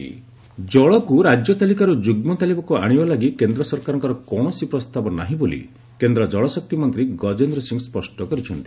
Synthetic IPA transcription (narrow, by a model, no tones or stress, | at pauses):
d͡ʒɔɭɔkuɾad͡ʒjɔt̪alikaɾud͡ʒuɡmɔt̪alibɔkua̰ɽ̃ibalaɡikend̪ɾɔsɔɾkaɾɔŋkɔɾɔkɔɽ̃ɔsipɾɔst̪abɔna̰ɦĩbolḭ | kend̪ɾɔd͡ʒɔɭɔsɔk̚t̪imɔnt̪ɾiɡɔd͡ʒend̪ɾɔsiŋspɔsʈɔkɔɾit͡ʃʰɔnt̪i